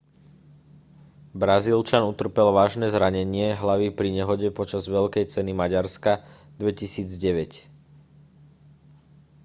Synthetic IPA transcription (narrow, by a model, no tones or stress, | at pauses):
bɾazilt͡ʃanut̪r̩pɛlʋaːʒnɛːzɾaɲɛɲɪɛɦlaʋipɾiɲɛɦɔɟɛpɔt͡ʃazʋɛʎkɛjt͡sɛnimaɟaɾska | d̪ʋɛcisiːd͡zɟɛʋɛc